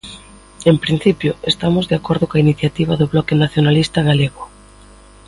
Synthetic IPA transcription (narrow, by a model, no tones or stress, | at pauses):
empɾin̟θipjʊest̪amʊzðeakɔɾðʊkainiθjat̪iβaðʊβlɔkenaθjonalist̪aɣaleɣʊ